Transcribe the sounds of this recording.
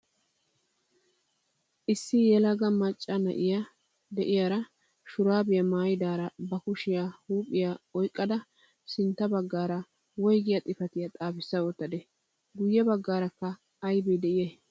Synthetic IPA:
ʔɪsːɪjɛlɐɡɐmɐt͡ʃʼːɐnɐ̰ʔɪja | d̪ɛʔɪjaːɾɐ | ʃʊɾaːbɪjɐmaːjɪd̪aːɾɐbɐkʊʃɪjahuːpʼːɪjaɔjkʼːɐd̪ɐ | sɪnt̪ːɐbɐɡːaːɾɐ | wɔjɡɪjat̪ʼɪfɐt̪ɪjat̪ʼaːfɪsːɐɔt̪ːɐd̪ɛ | ɡʊjːɛbɐɡːaːɾɐkːɐː | jbɛd̪ɛʔɪjɛ

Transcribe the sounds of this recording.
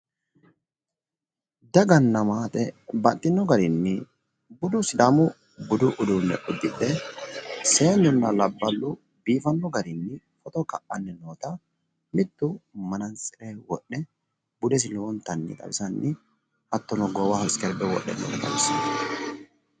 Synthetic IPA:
d̪ɐɡɐnːɐmaːt̪ʼɛbɐt̪ʼːɪnːɔɡɐɾɪnːɪ | bʊd̪ʊsɪd̪amʊ | bʊd̪ʊʔʊd̪unːɛ̰ʔʊd̪ːɪᶑ̪ɛ | seːɲːʊnːɐlɐbːɐlːʊ | biːfɐnːɔɡɐɾɪnːɪ | fɔt̪ɔkɐʔːɐnːɛnoːt̪ɐ | mɪd̪ːʊmɐnɐnsʼɪɾɛwɔɗːɛ | bʊd̪ɛs̬ɪloːnt̪ɐnːɪ̰t̪ʼɐ̰wɪsɐnːɪ | ʔɐt̪ːɔnɔɡɔwɐhɪskɛɾbɛwɔ̰ʔːɛ̰nːo̰ːnɛt̪ɐ̰wɪsɐn

